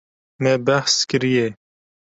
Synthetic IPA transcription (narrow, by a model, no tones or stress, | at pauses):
mɛbæhskɨɾije